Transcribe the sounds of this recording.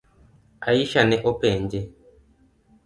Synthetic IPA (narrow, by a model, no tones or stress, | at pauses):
aiʃanɛʔɔpɛɲd͡ʒɛ